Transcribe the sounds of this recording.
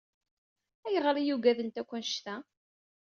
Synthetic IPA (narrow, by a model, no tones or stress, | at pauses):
æjəʁɾijuɡæðənt̪ækʷːænʃt̪æ